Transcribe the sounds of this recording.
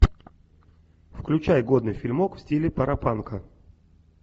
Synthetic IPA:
fklʲʉt͡ɕajɡo̞d̪nɨjfʲilʲmokfsʲtʲilʲɪpəɾɐpankə

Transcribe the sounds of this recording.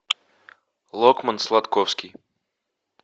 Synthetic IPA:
lˠɔkmanslˠat̪kɔwskʲij

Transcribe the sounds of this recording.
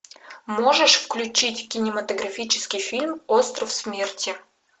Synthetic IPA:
mo̞ʐɨʂfklʲʉt͡ɕitʲkʲɪnʲɪmət̪əɡɾɐfʲit͡ɕɪ̥skʲɪjfʲilʲmo̞st̪ɾəfsmʲertʲɪ

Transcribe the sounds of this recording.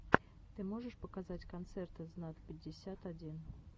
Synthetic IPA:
t̪ɨmoʐəʂpəkazatʲkant̪sɛrt̪ɨznat̪̚pʲɪdʲːɪsʲat̪adʲin

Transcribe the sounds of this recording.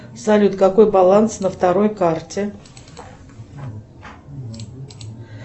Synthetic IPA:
zalʲut̪kɐko̞jbɐlˠant̪snəft̪ɐɾo̞jkartʲɪ

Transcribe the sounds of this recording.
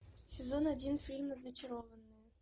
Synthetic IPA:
sʲɪzonɐdʲinfʲilʲmzɐt͡ɕɪɾovənːɨ

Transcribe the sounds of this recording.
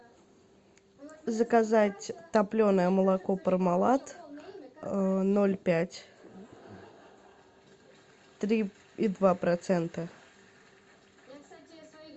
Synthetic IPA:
zəkazatʲt̪ɐplʲonəjəməlˠɐkopəɾmɐlˠat̪ | nolʲpʲætʲ | t̪ɾʲi | id̪vapɾɐt̪sɛnt̪ə

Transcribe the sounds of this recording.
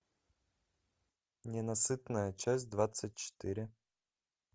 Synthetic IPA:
nʲɪnɐsɨt̪nəjət͡ɕæsʲtʲd̪vat̪sɨt̚ʲt͡ɕːɪ̥t̪ɪɾʲɪ

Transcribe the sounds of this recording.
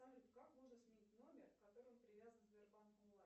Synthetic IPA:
aɪmkakmoʐnəsmʲɪnʲitʲno̞mʲɪrkɐt̪o̞ɾɨənpɾʲɪvʲazənzvʲɪrbanʊlˠa

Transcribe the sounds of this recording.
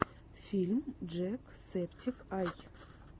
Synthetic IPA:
fʲilʲmd͡ʒɛk | septʲʰikɑj

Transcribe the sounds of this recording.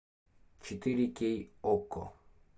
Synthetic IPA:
t͡ʃʰit̪iɾikejoko̰

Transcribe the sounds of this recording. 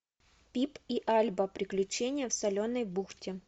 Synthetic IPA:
pʲipiʔalʲbəpɾʲɪklʲʉt͡ɕenʲɪjəfsɐlʲonːəjbuxtʲɪ

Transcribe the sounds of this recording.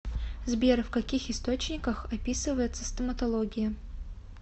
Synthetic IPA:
zbʲerfkɐkʲixɪst̪o̞t͡ɕnʲɪkəxɐpʲisɨvəjɪt̪səst̪əmət̪ɐlˠoɡʲɪjə

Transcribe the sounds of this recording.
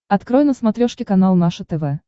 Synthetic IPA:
ɐt̪kɾɔjnəsmat̪ɾʲɔʂkʲɪkanalˠnaʂət̪ɛvɛ

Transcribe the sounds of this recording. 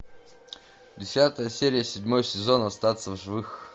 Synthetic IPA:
dʲɪsʲat̪əjəsʲeɾʲɪjəsʲɪdʲmo̞jsʲɪzo̞nəɐst̪at̪səvʐɨvɨx

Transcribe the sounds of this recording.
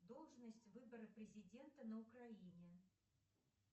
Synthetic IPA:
d̪ɔlˠʐnəsʲt͡sʲvɨbɐɾɨpɾʲɪzʲid͡zʲɛnt̪ɐnɐukɾajinʲɛ

